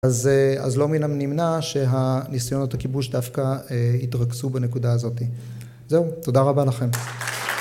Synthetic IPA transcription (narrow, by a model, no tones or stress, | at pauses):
aza̰zlo̞minamnimnaʃe̞ɦanisajo̞not̪hakibuʃdafkaeitʁaksubane̞kudaːzo̞ti | zeuto̞daʁabalaχe̞m